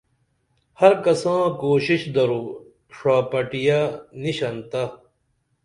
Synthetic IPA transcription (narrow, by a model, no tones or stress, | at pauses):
hɐɾkɐsãːkoːɕiɕd̪ɐɾuː | ʂaːpɐʈijaniɕɐnt̪a